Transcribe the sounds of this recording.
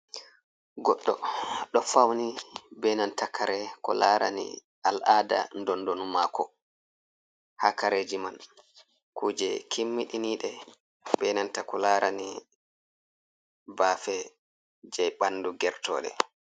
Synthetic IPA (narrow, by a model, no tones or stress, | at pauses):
ɡɔɗːɔɗɔfawnibɛnantakʰaɾɛkɔ̰laɾa̰nḭ | alʔada̰ndɔndonumaːkɔ | hakaɾed͡ʒiman | kuːd͡ʒɛkʰimːiɗiniːɗɛ | bɛnantakɔlaɾʔani | baːfɛ | d͡ʒɛjɓanːduɡɛɾtɔ̰ːɗɛ̰